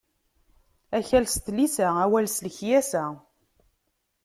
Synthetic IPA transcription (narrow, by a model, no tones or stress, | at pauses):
æçælst̪lisææwælsləçjæsæ